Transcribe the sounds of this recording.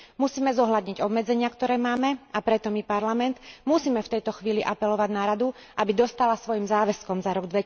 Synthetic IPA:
musiːmɛzɔɦʎad̪ɲiɟɔbmɛd͡zɛɲɪakt̪ɔɾɛːmaːmɛapɾɛt̪ɔmipaɾlamɛnt̪musiːmɛft̪ɛjt̪ɔxʋiːliʔapɛlɔʋaɟnaɾad̪uʔabid̪ɔst̪alasʋɔjimzaːʋɛskɔmzaɾɔɡd̪ʋɛ

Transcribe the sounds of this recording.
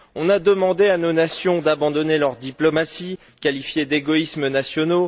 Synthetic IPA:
ɔ̃nad̪əmɑ̃d̪eanonasjɔ̃d̪abɑ̃d̪ɔnelœʁd̪iplɔmasi | kʲalifjed̪eɡɔismənasjɔno

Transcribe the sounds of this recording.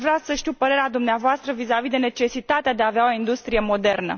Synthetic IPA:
vɾeasəʃt̪iuwpəɾe̞ɾead̪umneavoast̪ɾəvizavid̪e̞ne̞t͡ʃe̞sit̪at̪ead̪eaveao̞ind̪ust̪ɾije̞mo̞d̪e̞rnə̰

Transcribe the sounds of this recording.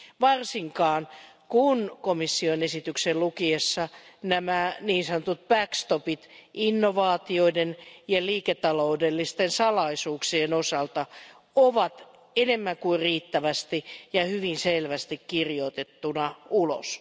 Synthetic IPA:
ʋɑrsiŋkɑːn | kunkomisːionesit̪yksellukiesːɑnæmæniːnsɑnŏt̪ut̪̚b̥ækst̪opit̪ʔinːoʋɑːt̪ioidenjɑliːket̪ɑloudelːist̪ensɑlɑisuːksienosɑlt̪ɑ | oʋɑt̪ | enemːæŋkuirriːt̪ːæʋæst̪ijɑhyʋinselʋæst̪ikkirjot̪et̪ːunɑulo̰s

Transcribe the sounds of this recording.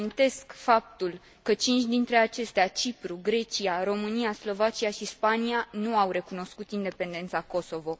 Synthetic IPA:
int̪e̞skfap̚t̪ul | kət͡ʃint͡ʃʲd̪int̪ɾe̞at͡ʃe̞st̪eat͡ʃipɾuɡɾe̞t͡ʃiaɾo̞mɨnijaslo̞vat͡ʃiaʃispanianuawɾe̞kuno̞skut̪ind̪e̞pe̞nd̪e̞nt̪sako̞so̞vo̞

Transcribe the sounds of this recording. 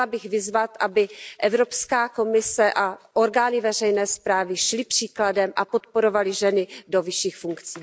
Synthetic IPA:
abɪɣvɪzvat̪ʔabɪʔɛvɾo̞pskaːko̞mɪsɛʔaʔo̞ɾɡaːnɪvɛr̝ɛjnɛːspɾaːvɪʃlɪpr̝̥iːkladɛmʔa̰po̞t̪po̞ɾo̞valɪʒɛnɪdo̞vɪʃiːxfuŋkt͡siː

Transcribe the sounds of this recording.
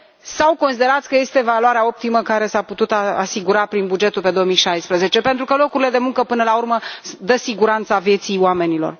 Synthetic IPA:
sawkonsid̪e̞ɾat̪sʲkəje̞st̪e̞valoaɾeao̞p̚t̪iməkaɾe̞saput̪ut̪aa̰siɡuɾapɾinbud͡ʒe̞t̪ulpe̞d̪o̞omijʃajspɾəze̞t͡ʃe̞pent̪ɾukəlo̞kuɾile̞d̪e̞muŋkəpɨnəlaurməd̪əsiɡuɾant̪savje̞t̪siowame̞nilo̞̰r

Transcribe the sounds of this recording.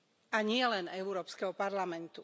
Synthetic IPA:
aɲɪɛlɛnɛʊɾɔːpskɛɦɔpaɾlamɛnt̪u

